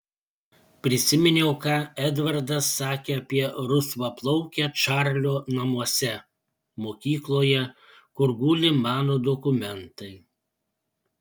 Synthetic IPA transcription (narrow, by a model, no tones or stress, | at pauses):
pʲɾʲɪsʲɪmʲɪnʲɛʊkɑːɛd̪ʋɐɾd̪ɐsːɑːkʲeːɐpʲiɛɾʊsʋɐplˠɔʊkʲɛt͡ʃɑːɾʲlʲoːnɐmuɔsʲɛ | moːkʲiːklˠoːjɛ | kʊɾɡuːlʲɪmɑːnoːd̪ɔkʊmʲɛnt̪ɐɪ